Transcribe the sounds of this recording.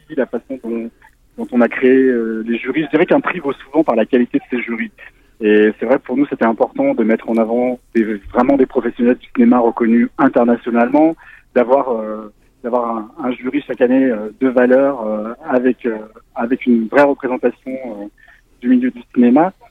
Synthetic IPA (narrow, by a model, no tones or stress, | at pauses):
ilafasɔ̃d̪ɔ̃ | d̪ɔ̃t̪ɔ̃nakχeeøleʒyʁiʒəd̪iʁɛkɛ̃pχivosuvɑ̃paʁlakʲalit̪ed̪əseʒyʁi | esɛvʁɛkpuʁnuset̪ɛɛ̃pɔʁt̪ɑ̃d̪əmɛt̪χɑ̃navɑ̃d̪̥evʁɛmɑ̃d̪epχɔfɛsjɔnɛld̪ysinemaʁəkɔnyɛ̃t̪ɛʁnasjɔnalmɑ̃d̪̥avwaʁø | d̪̥avwaʁɛ̃ɛ̃ʒyʁiʃakaneød̪əvalœʁøavɛkøavɛkʲynvʁɛʁəpχezɑ̃t̪asjɔ̃ø | d̪ymiljød̪ysinema